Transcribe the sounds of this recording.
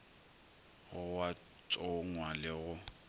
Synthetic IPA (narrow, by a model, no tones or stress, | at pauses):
ɣʊwa | t͡ʃʼɔŋwalɪɣʊ